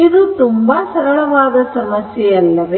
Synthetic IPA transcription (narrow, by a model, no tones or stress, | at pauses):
id̪ut̪umbasɐɾɐɭɐʋaːd̪ɐsɐmɐsjɛɐlːɐʋe